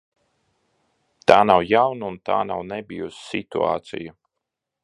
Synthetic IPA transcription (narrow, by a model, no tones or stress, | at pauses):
t̪aːnawjawnunt̪a̰ːnawnɛbʲijusːit̪ṵa̰ːt̪sḭju